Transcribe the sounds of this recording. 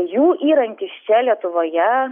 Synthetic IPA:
juːʔiːɾɐŋʲkʲɪsʲsʲɛlʲiɛt̪ʊʋoːjɛ

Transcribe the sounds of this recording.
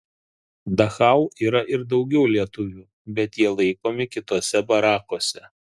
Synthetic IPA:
d̪ɐxɑˑʊiːɾɐʔɪɾd̪ɒʊɡʲɛʊlʲiɛt̪ʊʋʲuː | bʲɛt̪jiɛlˠɐɪkoːmʲɪkʲɪt̪oːsʲɛbɐɾɑːkoːsʲɛ

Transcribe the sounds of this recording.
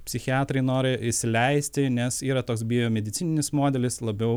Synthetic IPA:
pʲsʲɪxʲɪɑːt̪ɾɐɪnoːɾʲɪɪʃsʲɪlʲɛɪsʲt̪ʲɪnʲɛsiːɾɐt̪oːksbʲiːjoːmʲɛd̪ʲɪt̪sʲɪnʲɪnʲɪsmoːd̪ʲɛlʲɪslˠɐbʲɛʊ

